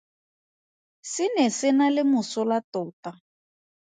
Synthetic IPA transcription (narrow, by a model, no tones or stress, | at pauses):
sɪnɛsɪnalɪmʊsʊlatɔːta